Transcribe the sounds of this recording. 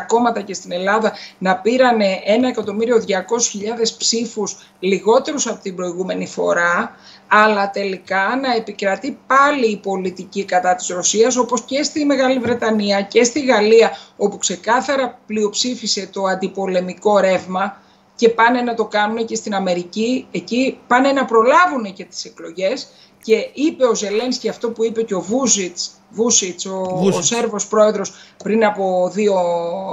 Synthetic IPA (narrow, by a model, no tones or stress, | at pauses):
ko̞mɐt̪ɐce̞st̪ine̞lɐðɐnɐpiɾɐne̞ʔe̞nɐe̞kɐt̪o̞miɾio̞ðʝɐko̞su̥çiʎɐðe̞spsifus | liɣo̞t̪e̞ɾusɐpo̞t̪ibɾo̞iɣume̞nifo̞̰ɾɐ | ɐlɐt̪e̞likɐnɐe̞pikɾɐt̪ipɐliːpo̞lit̪icikɐt̪ɐt̪i̥zɾo̞siɐso̞po̞sce̞st̪ime̞ɣɐlivɾe̞t̪ɐniɐce̞st̪iɣɐliɐo̞pukse̞kɐθɐɾɐplio̞psifise̞t̪o̞ɐnd̪ipo̞le̞miko̞ɾe̞vmɐ | ce̞pɐne̞nɐt̪o̞kɐnune̞ce̞st̪inɐme̞ɾicie̞cipɐne̞nɐpɾo̞lɐvune̞ce̞t̪i̥se̞klo̞ʝe̞s | ce̞ipe̞o̞ze̞le̞nsceɐft̪o̞puipe̞ceo̞vusit͡s | vusisose̞ɾvo̞spɾo̞e̞ðɾo̞spɾinɐpo̞ðio̞